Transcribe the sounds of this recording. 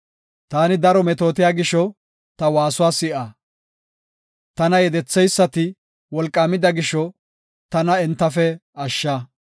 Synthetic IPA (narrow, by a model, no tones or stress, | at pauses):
t̪aːnɪd̪ɐɾɔmɛt̪o̞ːt̪̬ɪjaːɡɪʃɔ | t̪ɐwaːsʊwaːsɪʔaː | t̪ɐnɐjɛd̪ɛt͡sːɛjsːɐt̪ɪ | wɔlkʼːaːmɪd̪ɐɡɪʃɔ | t̪ɐnɐɛnt̪ːɐfɛɐʃːɐ